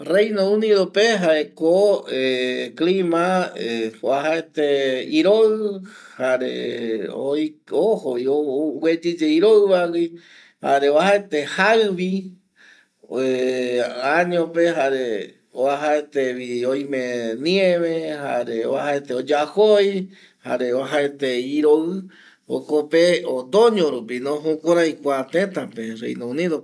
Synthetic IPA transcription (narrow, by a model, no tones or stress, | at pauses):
rejnõũniðopeɦaekoeklimaeoaɦaet̪eiɾoɨhaɾḛoohojowed͡ʒid͡ʒeiɾoɨβawi | ha̰ɾeoahaet̪ehaβi | e | aɲõpeɦaɾe | oaɦaet̪eβioj̃mẽnĩẽβeha̰ɾeo̰βaɦaet̪eod͡ʒahoj | ha̰ɾeoaɦaet̪eiɾoɨ | o̰kopeod̪õɲõɾupinõɦukʷoɾajkʷat̪ẽt̪apeɾḛjnõũniðo